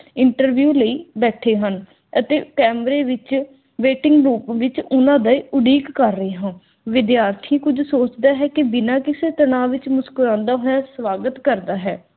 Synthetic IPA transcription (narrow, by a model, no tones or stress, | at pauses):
ɪɳʈəɾʋjuːləiːbɛːʈʰeːɦən | ət̪ḛːkɛːmɾeːʋɪt͡ʃ | ʋeːʈɪŋɡɾuːpʋɪt͡ʃʊnãːd̪aːiʔʊɖiːkːəɾːəeːɦãː | ʋɪd̪jaːɾt̪ʰĩːkʊd͡ʒsoːt͡ʃd̪aːɦɛːkɪbɪnãːkɪseːt̪ənãːʋɪt͡ʃmʊskʊɾãːnd̪aːɦoːjaːsʋaːɡət̪kəɾd̪aːɦɛː